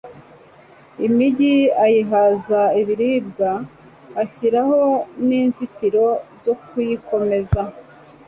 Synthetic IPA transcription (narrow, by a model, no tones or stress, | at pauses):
imiɟiajiɦazaiβiɾiːb̚ɡaː | çiɾaho̞niːnzikiɾo̞zokujiko̞me̞za